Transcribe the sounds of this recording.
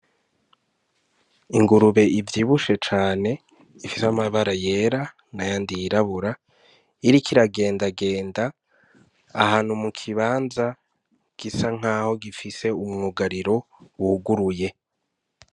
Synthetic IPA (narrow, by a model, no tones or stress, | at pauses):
iŋɡuɾuβe̞ʔivjiːβuʃe̞t͡ʃaːne̞ | ifisamaβaɾaje̞ːɾa | najaːndijiɾaβuɾa | iɾikʰiɾaɡe̞ːndaɡe̞ːndaː | haːn̥humukʰiβaːnza | ɡ̥isaŋ̥aːho̞ɡifise̞umŋuɡaɾiɾo̞ | wuhuɡuɾuje̞